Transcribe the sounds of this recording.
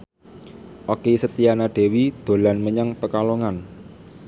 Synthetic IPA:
ʔokesət̪ianaɖ̥e̤wid̪̥o̤lanməɲaŋpəkaloŋan

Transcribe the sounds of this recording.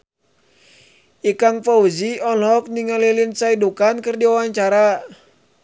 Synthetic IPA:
ikaŋpauziɔlɔk̚niŋalilinsaidukankɨrdiawaɲt͡ʃaɾa

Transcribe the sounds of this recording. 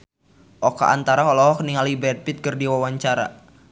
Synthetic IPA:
ʔɔka̰ʔa̰nt̪aɾaɔlɔɦɔkniŋalibɛt̪̚pit̪̚kərdiwawaɲt͡ʃaɾa̰

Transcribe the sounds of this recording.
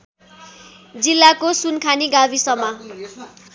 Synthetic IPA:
d͡zilːakosunkʰaniɡabʱisʌma

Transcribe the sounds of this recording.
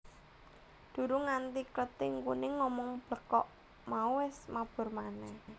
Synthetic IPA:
d̪̥ṳɾuŋant̪ikɾət̪ɪŋkunɪŋːɔmɔŋb̥lə̤kɔʔ | mauwɪsmab̥ʊ̤rmanɛh

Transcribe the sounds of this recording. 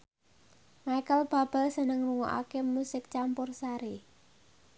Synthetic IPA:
majkəlb̥a̤b̥əlsənəŋruŋɔ̰ʔa̰kemusɪk̚t͡ʃampʊrsaɾe

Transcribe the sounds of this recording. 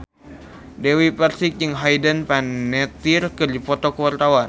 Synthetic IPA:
dɛwiparsik̚jɨŋɦajdənpanːɛt̪irkɨrdipɔt̪ɔkəwart̪awan

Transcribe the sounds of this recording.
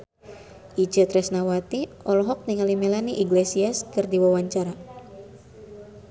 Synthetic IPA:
ʔid͡ʒət̪ɾɛsnawat̪i | ɔlɔɦɔk̚niŋalimelaniʔiɡlesiaskɨrdiwawaɲt͡ʃaɾa

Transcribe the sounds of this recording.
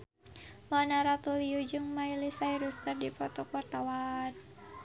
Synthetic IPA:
manaɾat̪uliud͡ʒɨŋmailisaiɾuskɨrdipɔt̪ɔkwart̪awan

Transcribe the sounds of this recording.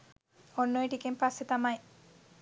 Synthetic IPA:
onːojʈikempasːet̪amaj

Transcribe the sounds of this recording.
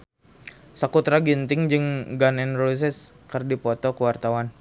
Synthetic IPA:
sakut̪ɾaɡint̪ɪŋd͡ʒɨŋɡanɛnrolis̬ɛskərdipɔt̪ɔkəwart̪awan

